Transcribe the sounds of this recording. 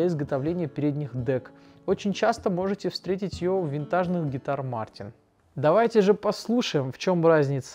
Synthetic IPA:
əɪzɡət̪ɐvlʲenʲɪjəpʲɪɾʲed̪ʲnʲɪxd̪ɛk | o̞t͡ɕɪnʲt͡ɕast̪əmo̞ʐɨtʲɪfst̪ɾʲetʲɪtʲjɪjovvʲɪnt̪aʐnɨxɡʲɪt̪armartʲɪn | d̪ɐvajtʲɪʐɨpɐslˠuʂəjɪmft͡ɕo̞mrazʲnʲɪt̪s

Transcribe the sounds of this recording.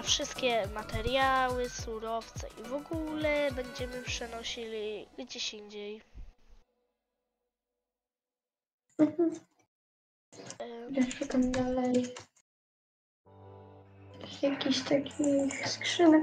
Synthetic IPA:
fʂɘst̪̚kʲɛmat̪ɛɾjawɘsuɾɔft̪sɛ̰ʔivɔɡulɛbɛɲd͡ʑɛmɘpʂɛnɔɕilʲiɡd͡ʑeɕiɲd͡ʑej | m̩ɦm̩ | jaʂɛkamd̪alɛj | jakʲiɕt̪akʲʰixskʂɘbɛ

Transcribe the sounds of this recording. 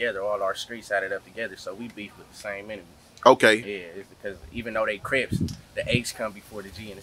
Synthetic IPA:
ɛðə˞ɔlˠaʊə˞stɹ̥itsæɾɨɾʌp̚tʰɨɡɛðə˞soʊwibit̚wəðəsẽɪ̃mɪ̃ñɨm̩ˠz̥ʔoʊkʰeɪjæɪtsb̥ɨkʰʌzivɨ̃nðoʊðeɪkʰɹ̥ɪpsðiʔeɪkskʰʌ̃mbɨfɔɹðɨd͡ʒiɨ̃n

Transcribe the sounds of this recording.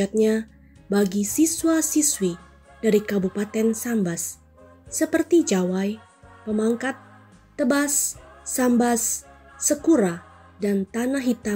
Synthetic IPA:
at̪̚ɲa | baɡisiswasiswi | d̥aɾikabupat̪ɛnsambasː | əpərt̪id͡ʒawaj | pəmaŋkat̪ː | əbasːambasː | əkuɾa | dant̪anaɦit̪a

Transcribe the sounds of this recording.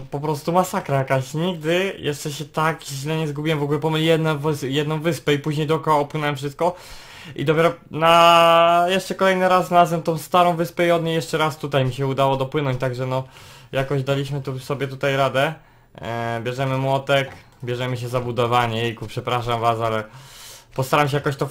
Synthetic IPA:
pɔpɾɔst̪umasakɾajakaɕɲiɡ̚d̪ɘjʔɛʂt͡ʂɛɕɛt̪akʑlɛɲɛzɡubʲiwɛmvɔɡulɛpɔmɘlʲijɛd̪nɛvsjɛd̪nɔ̃w̃vɘspɛipuʑɲejd̪ɔkɔaɔpwɘnɛwɛmfʂ̬ɘst̪̚kɔ | ḭd̪ɔpʲɛɾɔna | jɛʂt͡ʂɛkɔlɛjnɘɾasɾazɛmt̪ɔ̃w̃st̪aɾɔ̃w̃vɘspɛiɔd̪̚ɲejɛʂt͡ʂɛɾast̪ut̪ajmʲiɕɛud̪awɔd̪ɔpwɘnɔ̃ɲt͡ɕt̪aɡʐɛnɔjakɔʑd̪alʲiɕmɘt̪usɔbʲjɛt̪ut̪ajɾad̪ɛ | bʲjɛʐɛmɘmwɔt̪ɛk | bʲjɛʐɛmɘɕ̬ɛzabud̪ɔvaɲɛjɛjkupʂɛpɾaʂamvasalɛ | pɔst̪aɾamɕ̬ɛjakɔɕt̪ɔ

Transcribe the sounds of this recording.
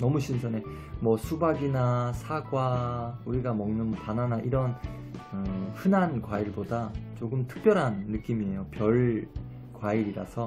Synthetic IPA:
nʌmuɕʰinsʰʌne̞ | mwʌsʰubaɡinasʰaɡwauɾiɡamʌŋnɯnpananaʔiɾʌn | ɯɸɯnankwaiɭbodat͡ɕoɡɯmtʰɯ̥k̚p͈jʌɾɦanːɯk͈imie̞jopjʌɭ | kwaiɾiɾa̰sʰʌ

